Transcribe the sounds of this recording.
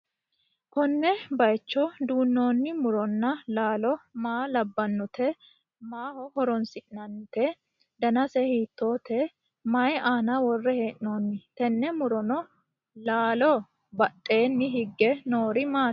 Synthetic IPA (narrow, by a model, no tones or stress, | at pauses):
kɔnːɛbɐjt͡ʃːɔd̪uːnːo̞ːnːɪmʊɾɔnːɐlaːlɔmaːlɐbːɐnːʊt̪ɛ | maːhɔhɔɾɔnsɪʔnɐnːʊt̪ɛ | d̪ɐnɐsɛhiːt̪ːo̞ːt̪ɛ | mɐjɛaːnɐwɔrːɛheːʔnoːnːɪt̪ɛnːɛmʊɾɔnɔ | laːlɔ | bɐtʼːe̞ːnːɪɦɪɡːɛnoːɾɪmaː